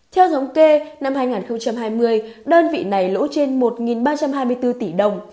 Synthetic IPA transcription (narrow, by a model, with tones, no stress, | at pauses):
t̪ʰɛ˧wt̪ʰə˨˦wŋ͡mke˧na˧mhaː˧jŋaː˨˩nxə˧wŋ͡mt͡ɕa˧mɦaː˧jmɨ˧əjɗəː˧nvḭ˧˨na˨˩jlo̰˧˥t͡ɕe˧nmo˨˩t̚ŋi˨˩nɓaː˧t͡ɕa˧mɦaː˧jmɨ˧əjt̪ɨ˧t̪i˧˩ɗə˨˩wŋ͡m